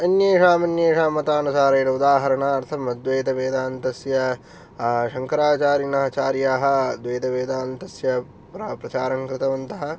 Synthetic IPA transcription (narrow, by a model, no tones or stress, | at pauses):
ɐnjeːʂaːmɐnjeːʂaːmɐt̪aːnusaːɾɐːɾɐud̪aːɦɐɾɐɳaːɐɾt̪ʰɐmɐd̪ʋeːd̪ɐʋeːd̪aːnt̪ɐsjɐ | ʃɐŋkɐɾaːt͡ʃaːɾinɐɦɐt͡ʃaːɾjaːɦɐ̆d̪ʋeːd̪ɐʋeːd̪aːnt̪ɐsjɐ | pɾapɾɐt͡ʃaːɾɐŋkɾɪt̪ɐʋɐnt̪ɐɦɐ̆